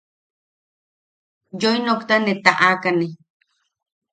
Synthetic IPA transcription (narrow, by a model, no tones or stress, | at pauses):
jojnokt̪anet̪aʔakane